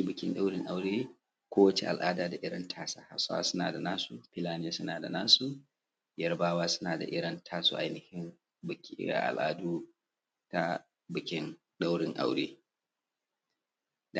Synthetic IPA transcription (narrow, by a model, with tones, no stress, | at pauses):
i˦bɪ˨kʲɪ˦nɗa˦wɽɪ˦ŋʔa˦wɽeː˦ | kʷoː˦wɐ˦t͡ʃḛ˦ʔa̰˨lʔaː˦daː˨da˨ʔɪ˦ɽɐ˦ntʰaː˦sa˨ha̰˨˦sa̰ː˦sʊ˦na̰ː˨da˨naː˦su˨pɪ˦laː˦n˦a˦sʊ˦naː˨da˨naː˦su˦ | jɐ˦rbaː˦waː˦sʊ̥˦naː˨da̰˨ʔɪ˦ɽɐ˦ntʰaː˦sṵ˦˨ʔa˨jnɪ˨hɪ˦m | bɪ˨kʲːʔa̰˨lʔa̰ː˦duː˦ | ta˦ | bɪ˨kʲɪ˦n | ɗa˦wɽɪ˦ŋʔa̰˦wɽḛː˦ | d